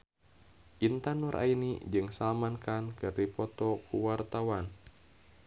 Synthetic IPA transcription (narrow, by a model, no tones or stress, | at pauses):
ʔint̪anɔɾʔa̰inid͡ʒɨŋsalmankankɨrdipɔt̪ɔkuwart̪awan